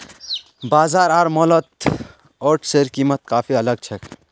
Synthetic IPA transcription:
baːzaːɾaːɾmɔlət̪ | ɔʈʰseɾkimət̪kaːpʰiələɡ̚t͡ʃʰɛk

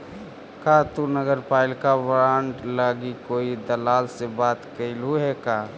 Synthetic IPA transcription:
kat̪unəɡəɾpaːɪlkaʋɾaːɳʈlaɡikoːid̪əlaːlsebaːt̪kəɪlɦuɦɛkaː

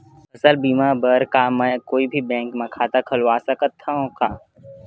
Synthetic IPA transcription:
ɐsəlbiːmabəɾkamɛ̃ːkoːibʱibɛ̃ːŋkmɐ̃kʰaːt̪akʰɐlwaːsakɐt̪ʰːaõkaː

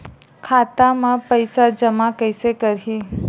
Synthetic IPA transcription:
kʰat̪amãpəjsad͡ʒəmakəjsekəɾɦi

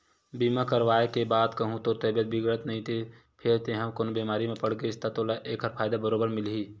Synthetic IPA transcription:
biːmakəɾʋaːekebaːd̪kəɦũt̪ot̪əbjət̪̚bɪɡɾət̪nəɦĩt̪ʰe | pʰɪɾt̪eɦəmkoːnbiːmaːɾimẽpəɽɡeɪst̪at̪oːlaʔeːkʰɦəɾpʰaːjd̪abəɾoːbəɾmɪlɦiː

